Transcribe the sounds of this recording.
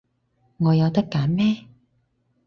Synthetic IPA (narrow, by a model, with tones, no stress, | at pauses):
ŋɔː˨˧jɐ˨˧wt̪ɐ˥kːaː˨˥nmɛː˥